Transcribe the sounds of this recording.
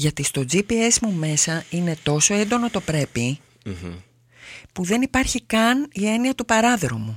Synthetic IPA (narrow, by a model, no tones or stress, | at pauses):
ʝɐt̪ist̪o̞d͡zipie̞smume̞sɐine̞t̪o̞so̞e̞nd̪o̞no̞t̪o̞pɾe̞pi | puðe̞nipɐɾçikɐnie̞niɐt̪upɐɾɐðɾo̞mu